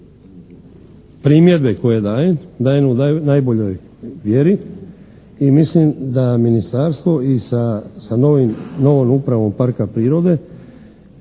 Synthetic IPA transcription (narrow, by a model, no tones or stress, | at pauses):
pɾiːmje̞d̪be̞ko̞jed̪aːjend̪aːjenunajbo̞ʎo̞j | ʋje̞ɾi | imislimd̪aminist̪aɾst̪ʋo̞isasanino̞ʋomupɾaʋo̞mpaɾkapɾiːɾo̞d̪e̞